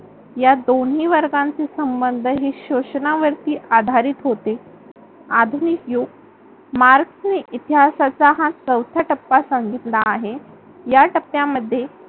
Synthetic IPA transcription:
jad̪onɦiːʋəɾɡãnt͡sesəmbənd̪ʱəɦeɕoɕənaʋəɾt̪iːʔad̪ʱaɾiːt̪ɦot̪e | ad̪ʱunikjuɡ | maɾksneʔit̪iɦasat͡saɦãt͡səwt̪ʰjaʈəpːasaŋɡit̪laːɦe | jaʈəpːjaməd̪ʱːje

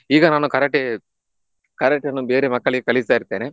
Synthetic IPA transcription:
iːɡɐnaːnukɐɾɐkʈːe | kɐɾɐʈːɐnːubeːɾemɐkːɐɭikekɐɭist̪aːiɾt̪ːeːne

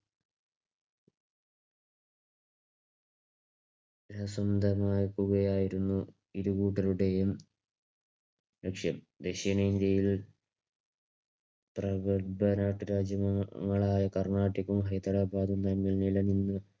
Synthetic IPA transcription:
ɾɐsɐmd̪ɐmaːɾkːuɣɐjaːjiɾunːu | iɾukuːʈːɐluɽe̞jum | lekʂjɐm | d̪eɕijɐnɐind̪jɐjil | prɐɡɐbɐnaːʈːɨɾaːd͡ʑjɐmŋːɐɭaːjɐkɐrɳaːʈːikːumɦɐjt̪ɐɾaːbʱaːd̪umt̪ɐnːilnilɐninːɨ

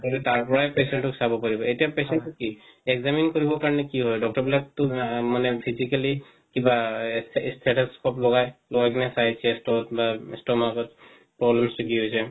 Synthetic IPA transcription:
ɔditaɹpɔɹajpesɛntʊksabɔpaɹibɔetijapesɛnukieɡzaminkoɹibɔkaɹɔnɛkiɦɔjdɔk̚tɔɹbilaktʊmanɛpʰisikali | kiba | stʰɛʈaskɔplɔɡajlɔɡakinɛsajsʰɛstɔtbastɔmakɔt̚ | pɹɔblɛmstukiɦojsɛ

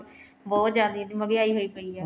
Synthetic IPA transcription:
bɔːt̪d͡ʒaːd̪id̪iːməɡeːaːiːɦoːiːpəiːɛː

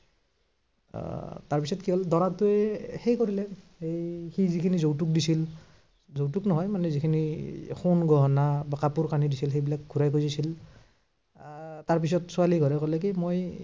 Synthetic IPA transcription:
taɹpisɔtkiɦɔldɔɹatʊɛxejkoɹilɛ | hejxizikʰinizowtuk̚disil | zowtuknɔɦɔjmanɛzikʰinixʰonɡʱɔɦɔnabakapuɹkanidisilxejbilak̚ɡʱuɹajkozisil | taɹp̬is̬ɔtsualiɡʱɔɹɛkɔlɛk̬imoj

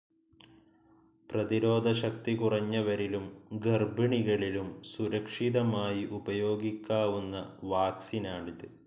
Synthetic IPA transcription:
prɐðiɾo̞ːd̪ʱɐɕɐk̚t̪ikurɐɲːɐʋɐɾilumɡɐrbɐɳiɣɐɭilumsuɾɐkʂiðɐmaːjiʔubɐjo̞ːɡikʲːaːʋunːɐʋaːksinaːɳiðɨ

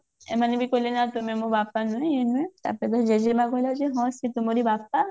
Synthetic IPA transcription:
ḛmanibikolenat̪umemubapːanɔjenuet̪a̰ped̪ɔd͡ʒed͡ʒemaɡʱojlad͡ʒeɦɔ̃sit̪umoɾibap̚ːa

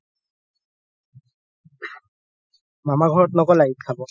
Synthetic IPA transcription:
mamaɡʱɔɹɔt̚nɔkɔlajitʰabɔ

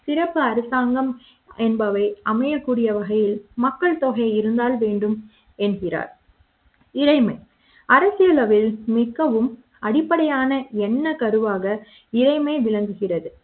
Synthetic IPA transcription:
sɪɾɐpːɯɐɾɯsaːŋɡɐm | ɛnbɐʋɐɪɐmɐjɐkːuːɽɪjɐʋɐɣɐjɪlmɐkːɐɭt̪oːɣɐɪɪɾɯnd̪aːlʋeːɳɖɯm | ɛnɣɪra̰ːɾ | ɪɾɐɪmɐɪ | ɐɾɐsɪjɐlɐʋɪlmɪɣːɐʋɯm | ɐɽɪpːɐɽɐjaːnɐɛnːɐkɐɾɯʋaːɣɐ | ɪɾɐɪmɐɪʋɪɭɐŋɡɯɣɪrɐðɯ

